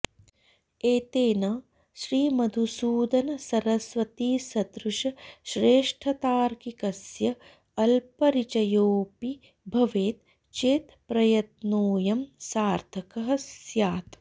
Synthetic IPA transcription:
eːt̪eːnɐ | ʃɾiːmɐd̪ʱusuːd̪ɐnɐsɐɾɐsʋɐt̪iːsɐd̪ɾuʃɐʃɾeːʂʈʰɐt̪aːɾkikɐsjɐ | ɐlpɐɾit͡ʃɐjoːpi | bʱɐʋeːt̪̚ | t͡ʃeːt̪pɾɐjɐt̪noːjɐmsaːɾt̪ʰɐkɐɦɐsjaːt̪

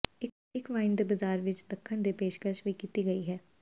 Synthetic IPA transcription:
ɪ | ɪkʋaːɪnd̪əbəzaːɾʋɪt͡ʃd̪əkʰːəɳ̃d̪epeːʃkəʃʋiːkiːt̪iɡəiɦɛː

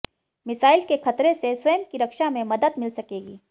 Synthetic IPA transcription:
mɪsaːɪlkexɐt̪ɾeseswɐjəmkiɾɐkʃamẽmɐd̪əd̪mɪlsɐkeːɡiː

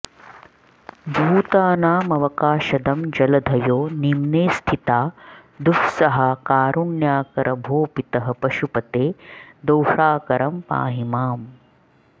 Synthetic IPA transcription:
bʱuːt̪aːnaːmɐʋɐkaːʃɐd̪ɐmd͡ʒɐlɐd̪ʱɐjoːnimneːst̪ʰit̪aːd̪uksɐɦɐkaːɾuɳjaːkɐɾʔɐbʱoːpit̪ɐɦɐ̆pɐʃupɐt̪eːd̪ɐwʂaːkɐɾɐmpa̰ːɦimaːm

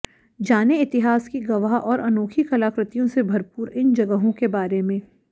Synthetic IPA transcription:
d͡ʒaːneɪt̪ɪɦaːskiɡɐʋaːɦʔɔːɾʔɐnoːkʰikɐlaːkɾɪt̪ijõsebʱɐɾpuːɾɪnd͡ʒɐɡəɦõkebaːɾemẽː

